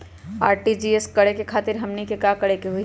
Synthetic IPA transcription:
a̰ːɾʈid͡ʒieskɐɽekekʰaːt̪ɪɾɦɐmnikekaːkɐɽekeɦui

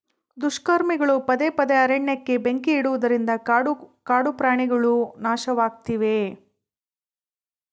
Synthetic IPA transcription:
d̪uʃkɐɾmiɡɐɭupɐd̪epɐd̪eɐɾeɳːɐkːe̞beŋkiːɽuʋud̪ɐɾind̪ɐkaːɽupɾaːɳiɡɐɭunaːʃɐʋaːɡ̚t̪iʋe̞

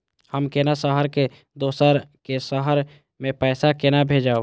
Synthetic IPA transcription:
həmkeːnasəɦəɾke | d̪oːsəɾkesəɦəɾ | mẽpɛːsakenabʱeːd͡ʒao

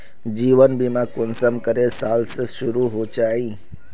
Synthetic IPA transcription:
d͡ʑiːʋənbimãkʊnsəmkəɾesaːlsəʃʊɾuɦot͡ʃaːĩː

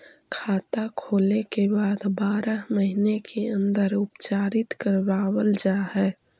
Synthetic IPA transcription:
kʰaːt̪akʰoːlekebaːd̪baːɾəɦməɦinekʰeə̃nd̪əɾʊpt͡ʃaːɾɪt̪kəɾbaːwəld͡ʒaɦɛː

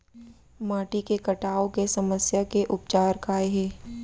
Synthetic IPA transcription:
maːʈikekɐʈaːokesɐməsjakeʔʊp̚t͡ʃaːɾkaːeɦɛː

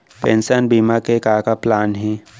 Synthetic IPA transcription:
pɛ̃nsənbiːmakekaːkaplaːnɦɛː

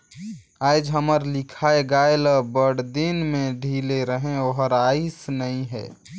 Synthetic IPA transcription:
aːɪd͡ʒɦəməɾlɪkʰaeɡaeləbəɽd̪inmẽɖʱileɾəɦẽoɦəɾaisnəĩɦɛ̰ː

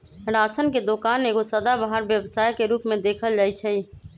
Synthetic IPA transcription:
ɾasʰənked̪okaːneːɡosəd̪abaɦəɾbjəbsaːjkeɾuːpmed̪ekʰəld͡ʒaːjt͡ʃʰɛ

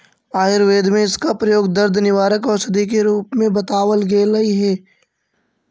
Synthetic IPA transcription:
aːɪɾʋeːd̪mẽɪskapɾɐjoːɡd̪əɾd̪ʱnɪʋaːɾəkɔːɾsɐd̪ik̬eɾuːpmẽbɐt̪aːʋəlɡeːlɐiɦɛː

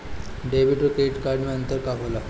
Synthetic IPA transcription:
ɖebiʈɾokeʈkaɾɖmiənt̪əɾkaɦola

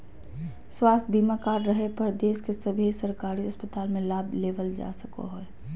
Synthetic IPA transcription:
swaːst̪̚ʰbimakaːɾɾəɦepəɾd̪eːskesəbʱisəɾkaːɾiəspət̪aːlmẽlaːbʱleːʋəld͡ʒa̰ːsəko̰ɦoɛ

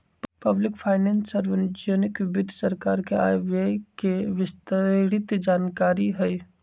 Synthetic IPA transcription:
pɐblɪkpʰaːɪnẽːnsəɾʋɪnd͡ʒəːnɪkɪbɪd̪ʱsɐɾkaːɾkea̰ːjʋekeʋɪst̪əɾɪt̪d͡ʒaːnkaːɾiɦɛj

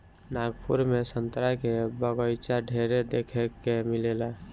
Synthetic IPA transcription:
naːɡpʰuɾmesə̃nt̪ɾakebəɡəjt͡ʃaɖʱeɾed̪ekʰekːemɪlela

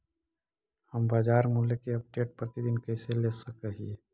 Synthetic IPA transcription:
həmbaːd͡ʒaːɾmulekeəp̚ɖeːʈ̚pɾət̪id̪ɪnkəɪselesəkəɦi

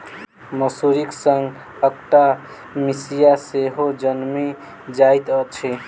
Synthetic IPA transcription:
məsuɾiksəŋɡ | əkʈa | misijaseɦod͡ʒənmi | d͡ʒajt̪ət͡ʃʰi

